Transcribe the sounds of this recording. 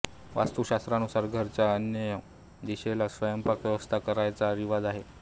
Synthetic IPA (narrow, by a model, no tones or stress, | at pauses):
ʋa̰st̪uɕast̪ɾanusaɾɡʱəɾt͡saənjəjə | d̪iɕelasʋəjəmpəkʋjəʋəst̪ʰakəɾajt͡saɾiʋad͡zaɦe